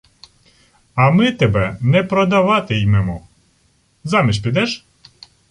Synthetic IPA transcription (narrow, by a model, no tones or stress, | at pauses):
ɐmɪt̪ɛbɛnɛpɾɔd̪ɐʋɑt̪ɪjmɛmɔ | zɑmʲiʃʲpʲid̪ɛʃ